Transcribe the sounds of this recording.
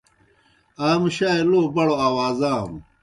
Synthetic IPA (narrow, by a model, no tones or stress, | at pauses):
aːmɕaːeloːbɐɽoaːwaːzaːm